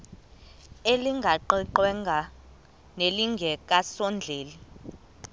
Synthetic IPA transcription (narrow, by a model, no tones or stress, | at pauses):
eliŋɡʱaǃiǃwɛŋɡʱa | neliŋɡʱɛk̬ʼasɔnd͡ɮʱeːli